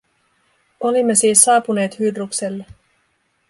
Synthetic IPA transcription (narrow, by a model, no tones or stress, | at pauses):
o̞limːe̞siːsːɑːpune̞ːt̪hydrukse̞lːe